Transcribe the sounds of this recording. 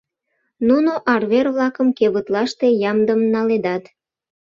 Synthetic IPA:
nunoʔɑrβerβlɑkəmkeβət̪lɑʃt̪e̽jɑmd̪əmnɑled̪ɑt̪

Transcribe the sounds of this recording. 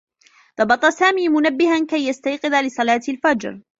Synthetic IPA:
d̪̥ˤɑbɑt̪ˤɑsaːmiːmʊnabːɪhankajːast̪ajqɨðalɪsˤɑlɑːt̪alfad͡ʒɾ

